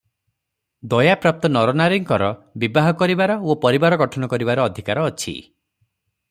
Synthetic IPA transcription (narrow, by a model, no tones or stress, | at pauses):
d̪ɔjapɾap̚t̪ɔnɔɾɔnaɾiŋkɔɾɔbibaɦɔkɔɾibaɾɔopɔɾibaɾɔɡɔʈʰɔnɔkɔɾibaɾɔːd̪ʱikaɾɔːt͡ʃʰḭ